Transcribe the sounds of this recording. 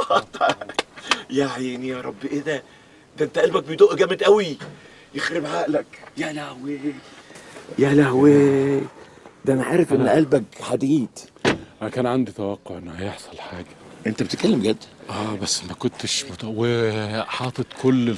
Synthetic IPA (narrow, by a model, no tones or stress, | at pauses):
t̪ˤɑ | jaħinijɑɾˤɑbːʔed̪æ | d̪æʔent̪æʔælbæk̚bet̪oːʔɡæmed̪ʔæwi | jexɾɪbʕaːʔlækjælæhwe | jælæhwe | d̪æʔænaʕaːɾefʔenːʔælbæɡħad̪iːd̪ʔæækæːnʕand̪it̪æwæqːoʕʔenːhæjeħsˤɑlħaːɡæʔent̪æbet̪kælːemɡæd̪ːæʔæːbæsːmækʊnt̪eʃmot̪weħɑːt̪ˤet̪kʰolː